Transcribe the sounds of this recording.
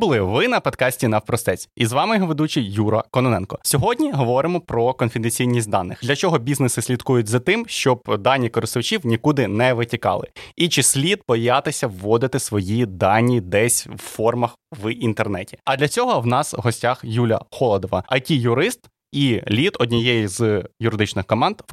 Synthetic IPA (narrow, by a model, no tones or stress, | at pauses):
bʊlˠɪʋɪnɐpɔd̪kɑsʲtʲinɐwpɾɔst̪ɛt͡sʲizʋɑmɪjɔɦɔʋed̪ut͡ʃijuɾɐkɔnɔnɛnkɔsʲɔɦɔdʲnʲiɦɔʋɔɾɪmɔpɾɔkɔnfʲɪd̪enʲt͡sʲijnʲisʲt̚ʲd̪ɑnːɪxd̪lʲɐt͡ʃɔɦɔbʲiznɪsɪsʲlʲid̪kujʊtʲzɐt̪ɪmʃt͡ʃɔb̚d̪ɑnʲːikɔɾɪst̪ʊwt͡ʃʲiwnʲikud̪ɪnɛʋɪtʲikɑ̰lˠɪ̰it͡ʃɪsʲlʲid̪̚bɔjɑt̪ɪsʲɐʋːɔd̪ɪt̪ɪsʋɔjid̪ɑnʲːid̪ɛsʲwfɔrmɐxʋint̪ernɛtʲi̥ɐd̪lʲɐt͡sʲɔɦɔwnɑsɦɔsʲtʲaxjulʲɐ̰xɔlˠɔd̪ɔʋɐ̰ɐjtʲijʊɾɪst̪ | ilʲit̪ɔdʲnʲijɛjizjʊɾɪd̪ɪt͡ʃnɪxkɔmɑnd̪̥